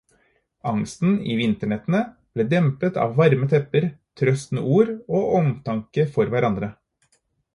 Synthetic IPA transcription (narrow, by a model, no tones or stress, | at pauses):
ɑŋst̪n̩ḭːʋɪnt̪əɳɛt̪ənə | b̥leːd̪ɛmpət̪ɑ̰ːʋʋɑɾmət̪ʰɛpəɾt̪ʰɾœst̪nə̰ʔuːɾoːʔɔmt̪ʰɑŋkəfɔɾʋæɾɑnd̪ɾə